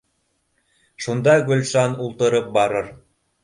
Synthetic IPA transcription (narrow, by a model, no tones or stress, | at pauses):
ʃund̪ɑɡɵ̆lʲʃɑnulˠt̪ɤ̆ɾɤp̚bɑɾɤɾ